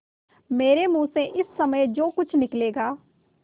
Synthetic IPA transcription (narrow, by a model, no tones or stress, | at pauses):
meːɾemũːseʔɪsːɐməjd͡ʒoːkʊt͡ʃʰnɪkleːɡaː